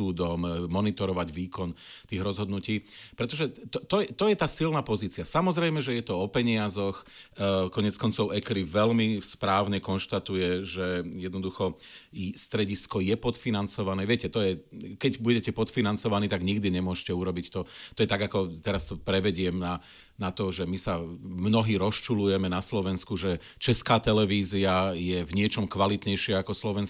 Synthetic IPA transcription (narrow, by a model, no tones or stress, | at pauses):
uːd̪ɔmːɔnit̪ɔɾɔʋaɟʋiːkɔnt̪iːɣɾɔzɦɔd̪nuciːpɾɛt̪ɔʒɛt̪ɔt̪ɔjɛt̪ɔjɛt̪aːsilnapɔziːt͡siasamɔzɾɛjmɛʒɛjɛt̪ɔɔpɛɲɪazɔxkɔɲɪɛt͡skɔnt͡sɔʊɛkɾiʋɛlmispɾaːʊɲɛkɔnʃt̪at̪ujɛʒɛjɛd̪nɔd̪uxɔ | st̪ɾɛɟiskɔjɛpɔt̪finant͡sɔʋanɛːʋɪɛcɛt̪ɔjɛkɛɟbuɟɛcɛpɔt̪finant͡sɔʋaniːt̪aɡɲiɡd̪iɲɛmʊɔʃcɛuɾɔbict̪ɔt̪ɔjɛt̪aɡakɔt̪ɛɾast̪ɔpɾɛʋɛɟɪɛmna | nat̪ɔʒɛmisamnɔɦiːɾɔst͡ʃulujɛmɛnaslɔʋɛnskuʒɛ | t͡ʃɛskaːt̪ɛlɛʋiːziajɛvɲɪɛt͡ʃɔmkʋalit̪ɲɛjʃɪɛakɔslɔʋɛns